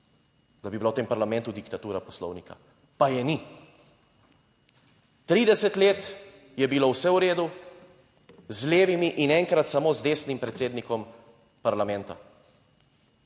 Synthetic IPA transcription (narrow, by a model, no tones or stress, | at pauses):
d̪abibilawt̪eːmpaɾlamɛ̃nt̪ud̪ikt̪at̪uːɾapɔ̥slɔ̰wnika̰ | pajɛni | t̪ɾiːd̪ɛsɛt̪leːt̪ | jɛbilowsɛwɾeːd̪u | zleːʋimiʔinɛŋkɾat̪samoːzd̪eːsnimpɾɛt̪seːd̪nikɔm | paɾlamɛ̃nt̪a̰